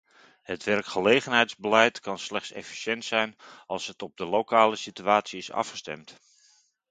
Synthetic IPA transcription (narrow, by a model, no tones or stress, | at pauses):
hətʋɛrkχəlejχənɦɛjtzbəlɛjtkɑnslɛχtsɛ̰fi̥sɛntsɛjnɑlˠsətɔb̚dəlokaːləsityaːtsiɪsɑ̰fχə̥stɛ̰mt